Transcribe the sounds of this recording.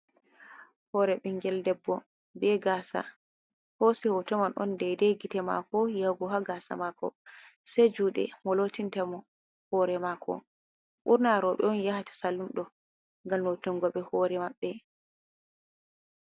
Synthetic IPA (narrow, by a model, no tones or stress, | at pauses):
hɔːɾɛɓiŋɡɛldɛbːɔ | bɛɡasa̰ | hosihɔtɛmanʔɔ̰ndɛdɛɡitɛma̰kɔjawɡɔɦaɡasa̰makɔ̰sɛd͡ʒuːɗɛ̰mɔlotintɛmɔ | hɔɾɛmakɔ̰ | ɓuɾnaɾɔɓɛ̰ɔnjahatḁsalːumɗɔ | ŋɡalnotuŋɡɔɓɛhɔɾɛmaɓːɛ